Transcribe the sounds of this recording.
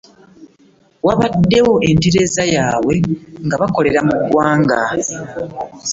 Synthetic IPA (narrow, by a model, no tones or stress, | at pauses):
waβadːe̞wo̞ʔentiɾe̞zajaːwe̞ŋɡaβako̞le̞ɾamuɡwaːŋɡa̰